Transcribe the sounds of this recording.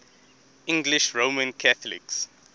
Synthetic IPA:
ɪ̃ŋɡliʃɹoːmə̃nkʰaθɔlḭks

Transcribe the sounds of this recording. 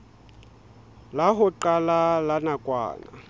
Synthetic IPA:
laɦʊǃalalanakʼwa̰ːna̰

